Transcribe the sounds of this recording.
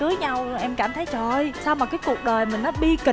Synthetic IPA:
kɨ˨˦əjɲa˧wʔɛ˧mkaː˧˩mt̪ʰə˨˦jt͡ɕɔ˧˩˧jsaː˧wmaː˨˩kaː˨˦jku˨˩ək̚ɗəː˨˩jmï˨˩ŋ̟nɔ˨˦ɓi˧kï˨˩

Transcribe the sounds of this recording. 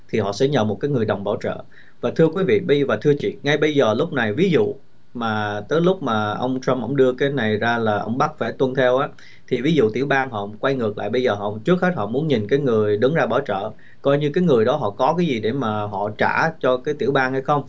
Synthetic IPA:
t̪ʰi˨˩ɦɔ̰˧˨sɛ̰˧˥ɲə̰˨˩mo˨˩kaː˨˦jŋɨ˨˩əjɗə˨˩wŋ͡mɓa̰ː˧˩wt͡ɕə̰ː˧˨ | vaː˨˩t̪ʰɨ˧əkwi˨˦vḭ˧˨ɓə˧jvaː˨˩t̪ʰɨ˧ət͡ɕḭ˧˨ŋa˧jɓə˧jzəː˨˩lʊ˦˥k͡p̚na˨˩jvi˨˦zṵ˧˨ | maː˨˩t̪əː˨˦jlʊ˦˥k͡p̚maː˨˩ʔə˧wŋ͡mt͡ɕa˧mʔə̰˧˥˩wŋ͡mɗɨ˧əkaː˨˦jna˨˩jzaː˧laː˨˩ʔə˧wŋ͡mɓa˦˥k̚faː˧˩jt̪wə˧nt̪ʰɛ˧wʔaː˨˦ | t̪ʰi˨˩vi˨˦zṵ˧˨t̪i˧˩əwɓaː˧nɦɔ̰˧˨kwa˧jŋɨ˨˩ək̚la̰ː˧˨jɓə˧jzəː˨˩hɔ̰˧˨t͡ɕɨ˦˥k̚he˦˥t̚hɔ̰˧˨mu˨˦ənɲi˨˩nkaː˨˦jŋɨ˨˩əjɗɨ˨˦ŋzaː˧ɓaː˧˩t͡ɕə̰ː˧˨ | kɔ˧jɲɨ˧kaː˨˦jŋɨ˨˩əjɗɔ˨˦ɦɔ̰˧˨kɔ˨˦kaː˨˦jzi˨˩ɗe˧˩maː˨˩ɦɔ̰˧˨t͡ɕa̰ː˧˩t͡ɕɔ˧kaː˨˦jt̪i˧˩əwɓaː˧nha˧jxə˧wŋ͡m

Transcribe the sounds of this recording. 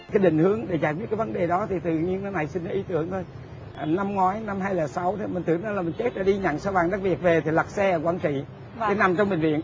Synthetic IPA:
kaː˨˦jɗï˧˨ŋ̟hɨ˨˦əŋɗe˧˩zaː˨˩jkwt̚kːaː˨˦və˨˦nɗe˨˩ɗɔ˨˦t̪ʰi˨˩t̪ɨ̰˧˨ɲi˧əna˧˦na˨˩jsï˧n̟a˨˦ʔi˨˦t̪ɨ˨˧˦əŋt̪ʰo˧j | na˧mŋwaː˨˦jna˧mɦaː˧jləː˨˩sa˨˦wt̪ʰi˨˩mï̟˨˩t̪ɨ̰˧˩ənɔ˨˧˦laː˨˩mi˨˩ŋ̟t͡ɕe˦˥t̚ɗaː˧˩ɗi˧ɲa̰˧˨ŋsa˧wvaː˨˩ŋɗa˦˥k̚vi˨˩ək̚ve˨˩t̪ʰi˨˩lə˨˩k̚sɛː˧˨˩kwaː˧˦nt͡ɕḭ˧˨ | kaː˨˦na˨˩mt͡ɕɔ˧wŋ͡mɓï˨˩ŋ̟vḭ˧˨ən

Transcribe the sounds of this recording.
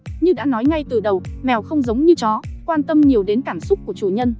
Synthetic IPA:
ɲɨ˧ɗa̰ː˧˥nɔ˨˦jŋa˧jt̪ɨ˨˩ɗə˨˩wmɛ˨˩wxə˧wŋ͡mzə˨˦wŋ͡mɲɨ˧t͡ɕɔ˨˦kwaː˧nt̪ə˧mɲi˨˩əwɗe˨˦nkaː˧˩msʊ˦˥ku˧˩t͡ɕu˧˩ɲə˧n

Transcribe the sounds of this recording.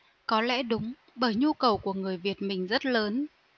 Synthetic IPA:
kɔ˨˦lɛ̰˧˥ɗʊ˨˦ŋ͡m | ɓəː˧˩jɲu˧kə˨˩wku˧˩əŋɨ˨˩əjvi˨˩ət̚mï˨˩ŋ̟zə˦˥t̚ləː˨˦n

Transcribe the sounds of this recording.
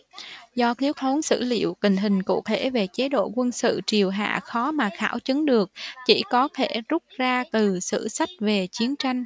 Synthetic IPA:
zɔ˧k̪i˨˦əw̚t̪ʰo˨˦nsɨ̰˧˥lḭ˧˨əwkï˨˩ŋ̟ɦï˨˩ŋ̟kṵ˧˨t̪ʰe˧˩ve˨˩t͡ɕe˨˦ɗo̰˧˨kwə˧nsɨ̰˧˨t͡ɕi˨˩əwɦa̰ː˧˨xɔ˨˦maː˨˩xa̰ː˧˩wt͡ɕɨ˨˦ŋɗɨ˨˩ək̚t͡ɕḭ˧˩kɔ˨˦t̪ʰe˧˩zʊ˦˥k͡p̚zaː˧t̪ɨ˨˩sɨ̰˧˨sa˦˥jk̟̚ve˨˩t͡ɕi˨˦ənt͡ɕa˧jŋ̟

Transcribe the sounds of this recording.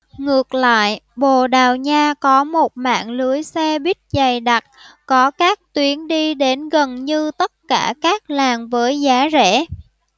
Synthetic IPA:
ŋɨ˨˩ək̚la̰ː˧˨jɓo˨˩ɗaː˨˩wɲaː˧kɔ˨˦mo˨˩t̚ma̰ː˧˨ŋlɨ˨˦əjsɛ˧ɓi˦˥t̚za˨˩jɗa˨˩t̚kɔ˨˦kaː˦˥k̚t̪wi˨˦ənɗi˧ɗe˨˦nɣə˨˩nɲɨ˧t̪ə˦˥t̚kaː˧˩kaː˦˥k̚laː˨˩ŋvəː˨˦jzaː˨˦zɛ̰˧˩

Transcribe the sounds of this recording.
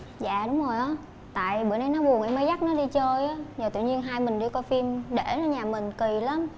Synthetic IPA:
za̰ː˧˨ɗʊ˨˦wŋ͡mzo˨˩jʔɔ˨˦ | t̪a̰ː˧˨jɓɨ˧˨jɗə˧jnɔ˨˦ɓu˨˩ənʔə˧˩jmə˨˦jza˦˥k̚nɔ˨˦ɗi˧t͡ɕəː˧jʔa˨˦zɔː˨˩ɨ̰˧˨ɲi˧ənɦaː˧jmï˨˩ŋ̟ɗɨ˧kɔ˧fi˧mɗe˧˩nɔ˧˦ɲaː˨˩mï˨˩ŋ̟ki˨˩la˨˦m

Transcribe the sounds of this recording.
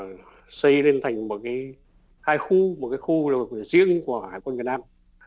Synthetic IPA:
sə˧jle˧nt̪ʰa˨˩jŋ̟mo˨˩t̚kaː˨˦j | haː˧jxu˧m˨˩t̚kaː˨˦jxu˧la˨˩˨zḭ˧˥əŋku˧˩əhaː˨˩jkwa˧nvi˨˩ət̚naː˧m

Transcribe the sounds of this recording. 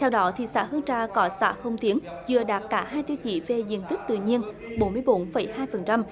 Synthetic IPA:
t̪ʰɛ˧wɗɔ˨˦t̪ʰi˨˩sa̰ː˧˥hɨ˧əŋt͡ɕaː˧kɔ˨˦sa̰ː˧˥hə˧wŋ͡mt̪i˨˦ən | zɨ˨˩əɗaː˨˩t̚kaː˧˩haː˧jt̪i˧wt͡ɕḭ˧˩ve˨˩zḭ˧˨ənt̪i˦˥k̚t̪ɨ̰˧˨ɲi˧ən | ɓo˨˦nmɨ˧əjɓo˨˦nfə˧˩˦jhaː˧jfə˨˩nt͡ɕa˧m

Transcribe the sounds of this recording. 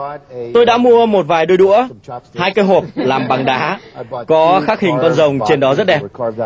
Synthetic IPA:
t̪o˧jɗa̰ː˧˥mu˧əmo˨˩t̚vaː˨˩jɗɨ˧əɗṵ˧˥əhaː˧jkəː˧ɦo˨˩p̚laː˨˩mɓa˨˩ŋɗaː˨˦kɔ˨˦xaː˦˥k̚hï˨˩ŋ̟kɔ˧nzə˨˩wŋ͡mt͡ɕe˧nɗɔ˨˦zə˦˥t̚ɗɛ˨˩p

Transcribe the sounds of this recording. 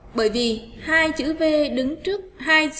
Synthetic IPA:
ɓəː˧˩jvi˨˩haː˧jt͡ɕɨ̰˧˦ve˧ɗɨ˨˦ŋt͡ɕɨ˦˥ək̚haː˧j

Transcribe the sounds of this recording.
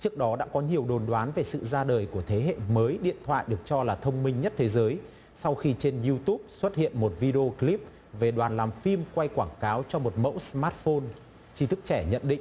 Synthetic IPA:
t͡ɕɨ˦˥ək̚ɗɔ˨˦ɗa̰ː˧˥kɔ˨˦ɲi˨˩əwɗo˨˩nɗwaː˨˦nve˨˩sɨ̰˧˨zaː˧ɗəː˨˩jku˧˩ət̪ʰe˨˦ɦḛ˧˨məː˨˦jɗḭ˧˨ənt̪ʰwa̰ː˧˨jɗɨ˨˩ək̚t͡ɕɔ˧laː˨˩t̪ʰə˧wŋ͡mmï˧ŋ̟ɲə˦˥t̚t̪ʰe˨˦zəː˨˦j | sa˧wxi˧t͡ɕe˧nzu˧t̪u˦˥p̚swə˦˥t̚hḭ˧˨ənmo˨˩t̚vi˧ɗe˧o˧kli˦˥p̚ | ve˨˩ɗwaː˨˩nlaː˨˩mfi˧mkwa˧jkwaː˧˩ŋkaː˨˦wt͡ɕɔ˧mo˨˩t̚mə̰˧˥wsmaː˦˥t̚fo˧n | t͡ɕi˨˦t̪ʰɨ˦˥k̚t͡ɕɛ˧˩ɲə̰˧˨nɗḭ̈˧˨ŋ̟

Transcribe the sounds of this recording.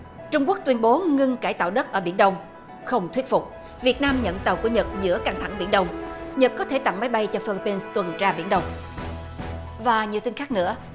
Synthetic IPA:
t͡ɕʊ˧ŋ͡mku˦˥ək̚t̪wi˧ənɓo˨˦ŋɨ˧ŋkaː˧˩jt̪a̰ː˧˨wɗə˦˥t̚ʔəː˧˩ɓḭ˧˩ənɗə˧wŋ͡m | xə˧wŋ͡mt̪ʰwi˦˥t̚fʊ˨˩k͡p̚ | vi˨˩ət̚naː˧mɲə̰˧˨nt̪ə˨˩wku˧˩ɲə˨˩t̚zɨ̰˧˥əka˧ŋt̪ʰa˧˩ŋɓḭ˧˩ənɗə˧wŋ͡mɲə˨˩t̚kɔ˨˦t̪ʰe˧˩t̪a̰˧˨ŋma˨˦jɓa˧jt͡ɕɔ˧fi˧li˧pːi˧nst̪wə˨˩nt͡ɕaː˧ɓḭ˧˩ənɗə˧wŋ͡m | vaː˨˩ɲi˨˩əwt̪i˧n̟xaː˦˥k̚nɨ̰˧˥ə

